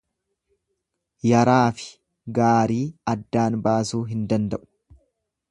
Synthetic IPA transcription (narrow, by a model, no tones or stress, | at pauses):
jɐɾaːfɪ̥ | ɡaːɾiːɐd̪ːaːnbaːsuːɦɪnd̪ɐnd̪ɐʔʊ̥